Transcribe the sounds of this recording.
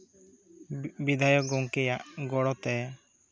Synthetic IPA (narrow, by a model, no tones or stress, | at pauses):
bid̪ʱajɔɡɔŋkɛjaʔɡɔɽɔt̪ɛ